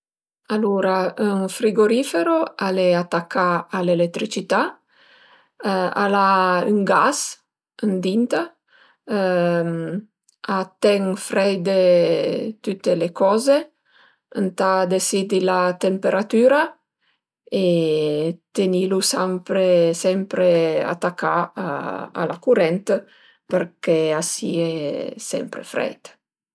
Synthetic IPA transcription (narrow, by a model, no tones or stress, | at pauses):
aluːɾayŋfɾiɡoɾifeɾoaleat̪ːakʰːaalelek̚t̪ɾit͡ʃit̪a | a̰layŋɡas | ənd̪int̪a | m | at̪ːɛŋfɾɛjd̪e | t̪ut̪ːelekɔːze | ənt̪ad̪esid̪ilat̪empeɾat̪yːɾa | e | t̪enilusampɾesɛmpɾea̰t̪akːaaa̰lakuɾɛnt̪ | peɾkeasḭesɛ̰mpɾḛfɾɛ̰jt̪